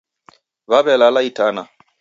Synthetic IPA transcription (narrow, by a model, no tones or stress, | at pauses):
babɛlalaitana